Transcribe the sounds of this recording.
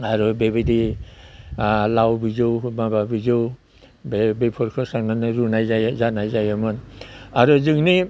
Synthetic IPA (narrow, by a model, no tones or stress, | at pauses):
aɾubebidi | lawbizɯwmababizɯw | bebepʰɔɾkʰɔsaŋnanɯɾunajzajzanajzajamɯnaɾuzɯŋni